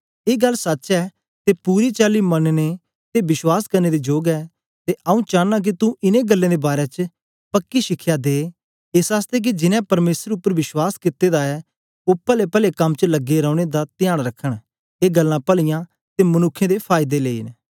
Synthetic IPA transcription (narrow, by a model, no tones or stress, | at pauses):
eːɡɐlːsɐtːt͡ʃɛː | t̪epuːɾit͡ʃaːlimənne | t̪ebɪswaːskɐɾneːd̪id͡ʒoːɡɛː | t̪eʔɐũːt͡ʃãːnãk̬it̪ũʔɪnẽɡəlːẽːd̪ebaːɾɛt͡ʃə | pəkːiʃɪkʰːjaːd̪eː | ɪsaːst̪ek̬id͡ʒɪnɛ̃pɐɾmeːsəɾʊpːəɾʋɪswaːskɪt̪ːeːd̪aɛ | oːpɛlepɛːlekɐmt͡ʃələɡeɾɔ̃ːɽ̃ed̪at̪ɪjaːɽ̃ɾəkʰːəɽ̃ | eːɡəlːãpɐlɪjã | t̪emɐnʊkʰːẽd̪epʰaːɪd̪eleːiːn